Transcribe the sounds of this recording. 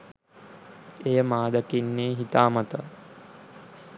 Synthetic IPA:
ejəmaːd̪əkinːeːɦit̪aːmɐt̪ə

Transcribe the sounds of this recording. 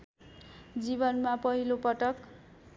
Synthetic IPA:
d͡zibʌnmapʌɦilopʌʈʌk

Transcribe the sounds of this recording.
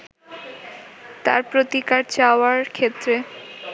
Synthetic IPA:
t̪a̰ɾpɾot̪ikaɾt͡ɕaoaɾkʰet̪ːɾe

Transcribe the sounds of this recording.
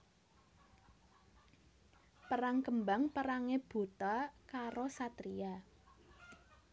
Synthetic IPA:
pəɾaŋkəmbaŋpəɾaŋeb̥ṳt̪akaɾosat̪ɾija

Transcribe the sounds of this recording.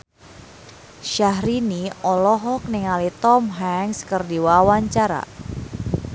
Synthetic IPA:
ʃaɦɾiniɔlɔɦɔk̚nɪŋalit̪ɔmɦaŋskərdiwawaɲt͡ʃaɾa̰

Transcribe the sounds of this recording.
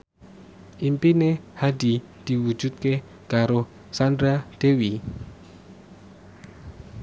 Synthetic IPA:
ʔimpinehad̪̥i | d̪̥i̤wu̥d͡ʒ̥ṳt̪̚ke | kaɾo | sand̪ɾad̪̥ewi

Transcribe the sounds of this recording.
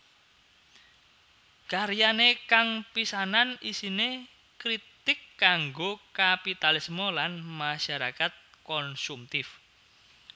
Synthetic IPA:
kaɾjanekaŋpisananisine | kɾit̪ɪkːaŋɡokapit̪alismolanmaʃaɾakat̪̚kɔnsumt̪ɪf

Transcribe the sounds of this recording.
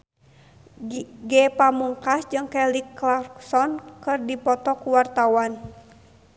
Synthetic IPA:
ɡɛpamuŋkasd͡ʒɨŋkɛlikːlarksɔnkɨrdipɔt̪ɔkuwart̪awan

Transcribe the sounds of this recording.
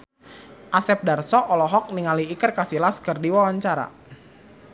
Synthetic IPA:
ʔasɛp̚darsɔʔɔlɔɦɔk̚niŋaliːkərkasilaskərdiwawaɲt͡ʃaɾa̰

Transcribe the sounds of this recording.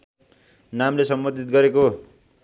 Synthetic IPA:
namlesʌmbʌd̪ʱit̪̚ɡʌɾeko

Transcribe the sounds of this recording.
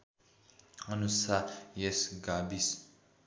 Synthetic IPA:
anusajɛsɡabis

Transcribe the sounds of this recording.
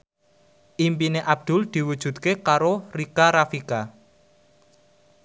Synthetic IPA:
ʔimpineʔab̚d̪̥ʊ̤ld̪̥i̤wud̥ʒ̥ṳt̪kekaɾorikaɾafika

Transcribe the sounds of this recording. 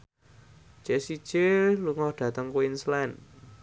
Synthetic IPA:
d͡ʒ̥ɛsid̥ʒ̥eluŋɔhɖ̥ä̤t̪əŋkuinslɛn

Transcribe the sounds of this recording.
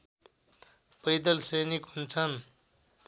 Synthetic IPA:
pʌjd̪ʌlsʌjnikɦunt͡sʰʌn

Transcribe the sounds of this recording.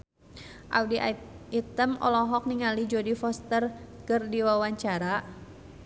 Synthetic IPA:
ʔa̰wdiʔit̪əmɔ̰lɔɦɔk̚niŋalid͡ʒodifɔst̪ərkərdiwawaɲt͡ʃaɾa

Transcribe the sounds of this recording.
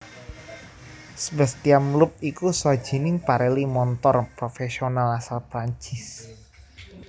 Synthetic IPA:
səbəst̪iamlʊp̚ikuswḁʒ̥i̤nɪŋpaɾelimɔnt̪ɔrpɾofesionalasalpɾaɲt͡ʃɪs

